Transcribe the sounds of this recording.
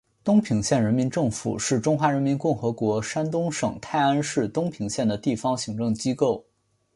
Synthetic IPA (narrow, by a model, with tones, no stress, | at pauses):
t̪ʊ˥ŋpʰi˧˥ŋɕjɛ˥˩nɻə˧˥nmi˧˥nʈ͡ʂɤ˥˩ŋfṵ˨˩ʂɻ̩˥˩ʈ͡ʂʊ˥ŋxwa˧˥ɻə˧˥nmi˧˥nkʊ˥˩ŋxɤ˧˥kwɔ˧˥ʂa˥nt̪ʊ˥ŋʂɤ˨˩ŋt̪ʰa˥˩ɪa˥nʂɻ̩˥˧t̪ʊ˥ŋpʰi˧˥ŋɕjɛ˥˩nd̪ə˩t̪i˥˩fɑ˧˥ŋɕi˧˥ŋʈ͡ʂɤ˥˩ŋt͡ɕi˥ko˥˩ʊ